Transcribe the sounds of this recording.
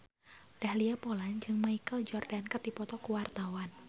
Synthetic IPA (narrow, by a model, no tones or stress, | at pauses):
d̥ahliapoland͡ʒɨŋmaikəld͡ʒɔrdankət̪̚dipɔt̪ɔkuwart̪awan